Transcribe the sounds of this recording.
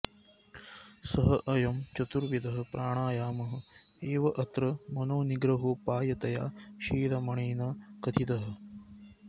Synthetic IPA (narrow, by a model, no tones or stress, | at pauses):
sɐɦɐʔɐjɐmt͡ʃɐt̪uɾʋid̪ɐɦɐ̆pɾʔaːɳaːjaːmɐɦɐ̆ | eːʋɐʔɐt̪ɾɐmɐnoːniɡɾɐɦupaːjɐt̪ɐjaːʃiːɾɐmɐɳeːnɐkɐt̪ʰit̪ɐɦɐ̆